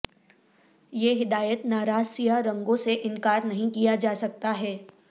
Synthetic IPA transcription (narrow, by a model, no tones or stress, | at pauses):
jeːɦɪd̪aːjət̪naːɾaːsijaɾɐ̃ŋɡõseʔɪ̃nkaːɾnɐɦĩkijad͡ʒaːsɐk̚t̪aɦɛː